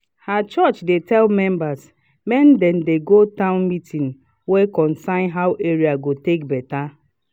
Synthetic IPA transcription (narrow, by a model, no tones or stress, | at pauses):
hat͡ʃɔt͡ʃdetɛlmɛ̃mbas | mɛ̃ndɛndeɡotãʊ̃nmitʰĩn | wekɔ̃nsãɪ̃nɦawʔeɹiaɡotek̚bɛta